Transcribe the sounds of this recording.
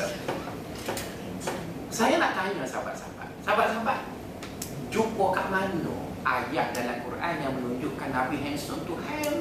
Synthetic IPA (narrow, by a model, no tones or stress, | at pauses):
sajanaʔt̪aɲãsaba̰t̪̚sa̰ba̰t̪̚sabat̪̚sabat̪̚ | d͡ʒukokaʔmano̰ | ʔajak̚dalamkurʔanjaŋmə̃nuɲd͡ʒʊʔkanapiɦɛnstɔnt̪uhɛl